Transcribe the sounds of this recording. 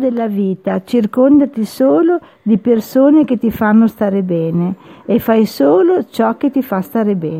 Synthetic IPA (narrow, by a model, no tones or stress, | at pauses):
d̪elːaviːt̪at͡ʃirkond̪at̪isoːlo | d̪ipersoːnek̟et̪ifanːost̪aːɾebɛːneefajsoːlot͡ʃɔk̟ːet̪ifast̪aːɾebɛː